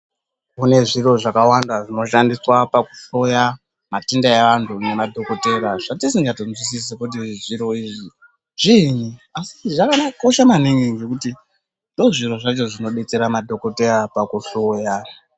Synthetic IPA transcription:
kune̞ʐiɾo̞ʐakawandaʐino̞ʃandiswapaku̥ɬo̞ja | matindaeʋantʰune̞madʱo̞ko̞te̞ɾaʐatisiŋɡatonzwis̬is̬ekut̬iʐiɾo̞iːʐi | ʐiniasiʐakanako̞ʃamaniŋiŋɡekuti | ndo̞ʐiɾo̞ʐat͡ʃo̞ʐino̞ɗe̞t͡seɾamadʱo̞kote̞rapakuɬo̞ja

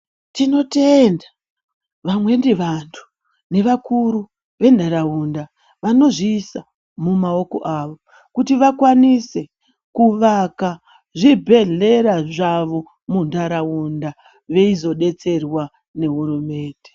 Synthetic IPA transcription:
tino̞tenda | ʋamwe̞ndiʋantʰu̥ | ne̞ʋakuɾu | ʋe̞ndaɾaunda | ʋano̞ʐiːsa | mumao̞ko̞̰ʔaːʋo̞ | kutiʋakwanise̞ | kuʋaka | ʐibʱe̞ɮe̞ɾaʐaʋo̞ | mundaɾaunda | ʋe̞izo̞ɗe̞t͡se̞rwa | ne̞ɦurume̞ːnde

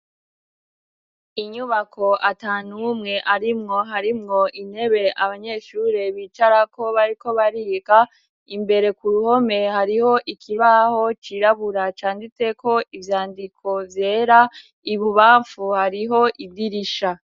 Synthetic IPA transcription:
iɲuβakʰo̞ʔataːnumŋe̞ʔaɾimŋo̞ɦaɾimŋo̞in̥he̞βe̞ʔaβaɲe̞ːʃuɾe̞βiːt͡ʃaɾako̞βaɾiko̞βaɾiːɡa | imbe̞ɾe̞kuɾuho̞me̞haɾiho̞ʔikʰiβaho̞t͡ʃiɾaβuɾat͡ʃaːndit͡se̞ko̞ivjaːndikʰo̞vje̞ːɾa | iβuβaːɱfuhaɾiɦo̞ʔidiɾiʃa

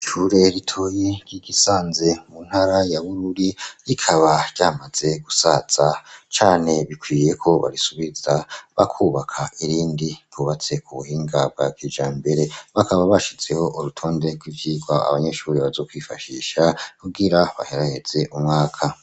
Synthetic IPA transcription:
ʃuɾe̞ɾitʰo̞ːjeɡ̥iɡisaːnze̞mun̥haɾajaβuɾuɾiikʰaβaɾɟ̥aːmaz̥e̞ɡ̥usaz̥at͡ʃaːn̥e̞βikwiːje̞kʰo̞βa̰ɾisuβiz̥aβakʰuːβakʰaʔiɾiːndipuβat͡se̞kʰuβuhiːŋɡab̚ɡwakiːd͡ʒaːmbe̞ɾe̞βakʰaβaβaʃit͡se̞ho̞ʔuɾutʰo̞ːnde̞ɡwivjiːɡwaa̰βaɲe̞ʃuːɾeβazo̞ːkwifaʃiːʃakuɡiɾaβa̰heɾahe̞z̥e̞ʔumŋaːkʰa

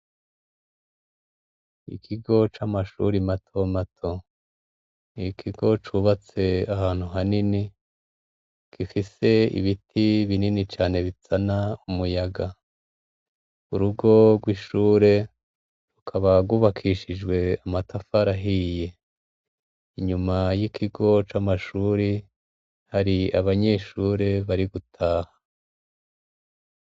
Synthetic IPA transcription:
ḭkʰiɡo̞t͡ʃamaʃṵɾimatʰo̞matʰo̞ | nikʰiɡo̞t͡ʃuβat͡se̞ahaːn̥huɦanini | kʰifise̞ḭβitʰiβininit͡ʃaːne̞βit͡sanaumujaɡa | uɾuɡo̞ɡwiʃuːɾe̞ | ɾukʰaβaɡuβakʰiʃid͡ʒɡwe̞amatʰafaɾaɦije̞ | iɲumajikʰiɡo̞t͡ʃamaʃuːɾi | haɾia̰βaɲe̞ːʃuːɾe̞βaɾiɡutʰaːhḁ

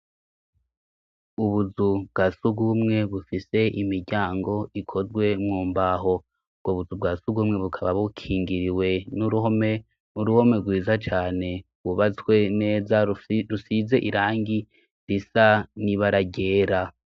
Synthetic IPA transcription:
uβuzubɡ̥asuɡumŋe̞βufise̞imiɾɟaːŋɡo̞ikʰo̞zɡwe̞mŋuːmbaɦo̞ | b̚ɡ̥oβuzubɡasuɡumŋe̞βukʰaβaβukʰiːŋɡiɾiwe̞nuɾuhome | uɾuho̞me̞ɾɡwiːzat͡ʃaːne̞ | wuβat͡swe̞ne̞ːzaɾusize̞ʔiɾaːŋɡi | disaniβaɾaɟeːɾa

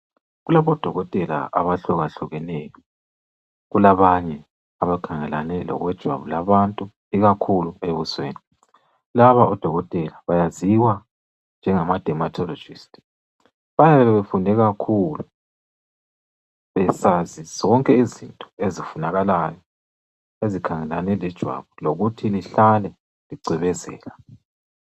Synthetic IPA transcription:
ɣulaβɔd̥ʱɔɣɔtʼɛla̰ʔa̰βaɬuɣaɬuɣɛnɛjɔ | ɣulaβaɲɛ | aβakʰaŋɛla̰nɛlɔ̰ɣwɛd̥ʒ̥ʱwa̰βulaβantʼu | iɣakʰulueβuswḛːni | laβaʔɔd̥ʱɔɣɔtʼɛlaβajaziwa | nd͡ʒʱɛŋamad̥ʱɛmatʰɔlɔd͡ʒʱistʼ | βajaβɛβɛβefundʱɛɣakʰulu | βɛsaziz̥ɔŋkʼɛizintʼɔ̥ezifunaɣalajɔ | ezikʰaŋɛlanɛlɛd̥ʒ̥ʱwa̰βuloɣutʰiniɬalɛ | liɡ͡ǀʱɛβɛzɛ̰ːla

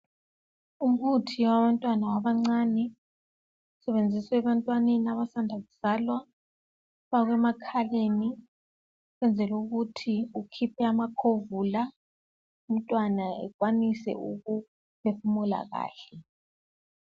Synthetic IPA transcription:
um̩utʰiwaβantʼwanawaβaŋ͡ǀanɛ | usɛβend͡zʱiswɛβantʼwanenaβasandʱaɣuz̥alwa | βaɣwɛmakʰaleni | ɣwɛnd͡zʱɛluɣutʰiukʰipʰɛamakʰovula | um̩tʼwanaɛ̰kʼwanisɛ̰uɣu | pʰefumula̰ɣa̰ːɬɛ

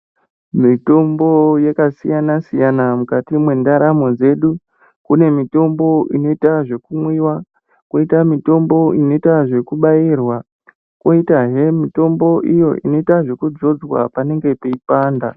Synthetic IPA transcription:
mito̞mbo̞jekasijanasijanamukatimwe̞ndaɾamo̞d͡ze̞ɗu | kune̞mito̞mbo̞ʔino̞itaʐe̞kumwiwa | koitamito̞mbo̞ino̞itaʐe̞kuɓairwa | ko̞itaɦemito̞mbo̞ʔijo̞ʔḭno̞itaʐe̞kud͡zo̞d͡zwa̰pane̞ŋɡe̞pe̞ipaːnda

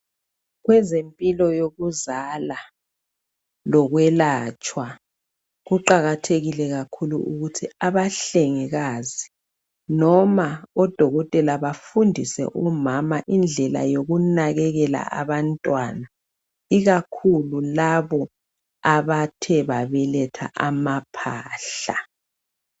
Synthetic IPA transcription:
ɣwɛzempʼilɔjoɣuzala | lɔɣwɛlaːt͡ʃʼwa | ɣuǃaɣatʰeɣilɛɣakʰulṵuɣutʰiaβaɬeŋiɣaːzi | nɔmaɔd̥ʱɔɣɔtʼɛlaβafundʱisɛ̰ʔɔmamaʔind͡ɮʱɛla̰joɣunaɣɛɣɛla̰ʔaβantʼwana | iɣakʰululaβɔ | aβatʰɛβaβɛlɛtʰa̰ʔamapʰaːɬa

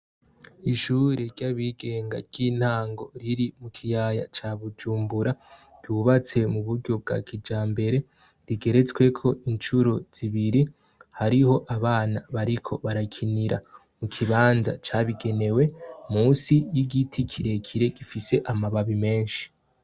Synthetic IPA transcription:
iʃuːɾeɾɟaβiɡe̞ːŋɡa̰ɾɟ̥iːn̥haːŋɡo̞ɾiɾimukʰijaja̰t͡ʃaβud͡ʒuːmbuɾad̥uβat͡se̞muβuɾɟo̞b̚ɡa̰kʰid͡ʒaːmbe̞ɾe̞ | ɾiɡe̞ɾe̞t͡swe̞kʰo̞ʔint͡ʃuɾoz̥iβiɾi | haɾiho̞ʔaβaːnaβaɾikʰo̞βaɾakʰiniɾa | mukʰiβaːnza̰t͡ʃaβiɡe̞ne̞we̞muːnsijiɡitʰikʰiɾe̞kʰiɾe̞ɡ̥ifise̞ʔamaβaβime̞ːnʃi̥

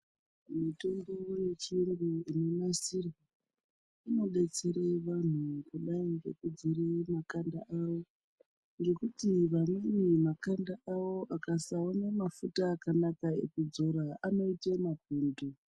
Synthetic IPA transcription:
muto̞ŋdewoje̞t͡ʃiiŋɡuinemasir | ino̞ɓet͡seɾeʋan̤ukuɗaiɡekud͡ziremakanda̰ʔawo̞ | nɡe̞kutiʋamwenimakandaʔawo̞ʔakasaonemafutaːkanakaḛkud͡zo̞ɾaano̞itemakuːndu

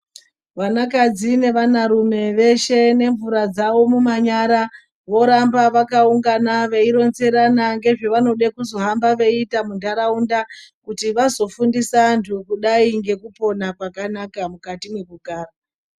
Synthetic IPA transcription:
ʋanakad͡zine̞ʋanaɾume̞ʋe̞ʃe̞ne̞ɱvuɾad͡zaʋo̞mumaɲaɾa | ʋo̞ɾambaʋakauŋɡanaʋe̞iɾo̞nze̞ɾanaŋɡe̞ʐe̞ʋano̞ɗekuzo̞ɦambaʋe̞itamundaɾaundakutiʋazo̞fundisantʰukuɗaiŋɡe̞kupo̞nakwakanakamukatimwe̞kuɡʱaːra

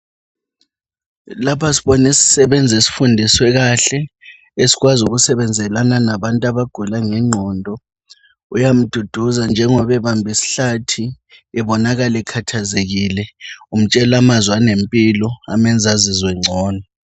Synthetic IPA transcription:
lapʰasiɓɔnisi̥sɛɓɛnd͡zʱesi̥fundʱiswɛɣaɬɛ | esi̥ɣwazuɣusɛβɛnd͡zʱɛlananaβantʼaβaɡ̥ʱulaŋɛŋ͡ǀʱɔːndʱɔ | ujam̩d̥ʱud̥ʱuzand͡ʒʱɛŋɔβɛβambʱisi̥ɬatʰi | ɛβɔnaɣalɛkʰatʰazeɣilɛum̩t͡ʃʼɛlamazwanempʼilɔa̰mɛnd͡zʱazizwɛŋ͡ǀʱɔːnɔ

